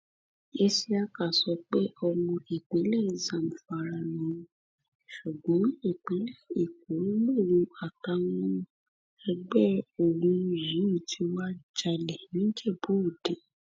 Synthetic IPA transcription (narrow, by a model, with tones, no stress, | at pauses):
e˧si˧˦a˧ka˨sɔ˨˦k͡pe˦ʔɔ˧mɔ̃˧e˨k͡pe˨˦lɛ˦˨zã˨m̩˨fa˧ɾa˧nɔ̃˨˦˧ | ʃu˨ɡ͡bɔ̃˨˦e˦˨k͡pe˨˦lɛ˦˨i˨k̚o˨˦nĩ˦le˦˨ɾũ˧˦a˨ka˧w̃ɔ̃˦ | ɛ˧ɡ͡bɛ˦o˨ɾ̃ũ˨˦˧ji˨˦i˦˨tʰi˨˧˦wa˦d͡ʒa˧lɛ˨nĩ˦d͡ʒɛ˦˨bo˨˦˨dẽ˨